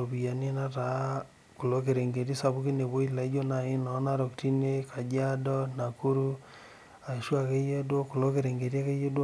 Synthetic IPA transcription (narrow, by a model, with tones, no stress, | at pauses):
o˨bi˨ja˨ni˦na˦ta˨ | ku˨lo˦ke˨ɾe˨ŋɡe˨ti˦sa˨βu˦ki˦ne˨βo˦i˦la˨i˦d͡ʒo˦na˨i˦na˨˦na˦ɾo˨kti˦ne˦ka˨d͡ʒa˦dɔ˦na˨ku˦ɾu˦ | a˨ʃwa˨ke˦je˦dwo˦ku˨lo˦ke˨ɾe˨ŋɡe˨ɾi˦a˦ke˦je˦do˦